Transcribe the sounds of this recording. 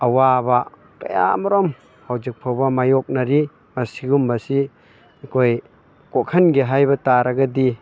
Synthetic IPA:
ɐwaba | ka̰ja̰mɔɾɔm | hawd͡ʒɯk̚pʰawbɐmajɔk̚naɾi | masiɡumbasi | kʰoj | kokʰɐnɡiɦajbɐtaɾaɡadi

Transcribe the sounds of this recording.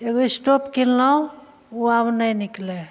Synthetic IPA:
eɡoisʈopkilːɔ | uabnəjnikle

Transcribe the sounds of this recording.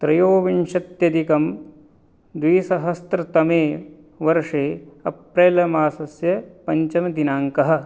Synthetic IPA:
t̪ɾɐjoːʋinʂɐt̪jɐd̪ikɐm | d̪ʋiːsɐɦɐst̪ɾɐt̪ɐmeː | ʋɐɾʂeːɐ̰pɾeːlɐmaːsɐsjɐpɐɲt͡ʃɐmɐd̪inaːŋkɐɦɐ̆

